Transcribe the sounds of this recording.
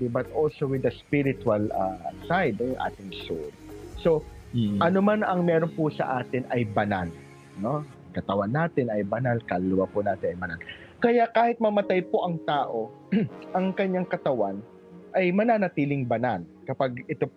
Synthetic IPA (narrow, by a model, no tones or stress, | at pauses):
ibɐt̪ʔolsowɪd̪ɐspiɾɪt̪ʊwɐlɐsajd̪̚nojoŋʔa̰ːt̪ɪŋso̰lso̞ʔɐnomanɐŋmɛːɾonpʊsɐ̰ʔaːt̪ɪnɐjbɐnal | no̞ | kɐt̪ɐwanːaːt̪ɪnɐjbɐnalkɐlːʊwapʊnaːt̪ɪnɐjbɐnal | kɐjakaːhɪt̪̚mɐmɐt̪ajpo̞ʔɐŋt̪aːʔo̞ | ʔɐŋkɐɲːaŋkɐt̪ɐwan | ʔɐjmɐnaːnɐt̪iːlɪŋbɐnalkɐpaɡɪt̪o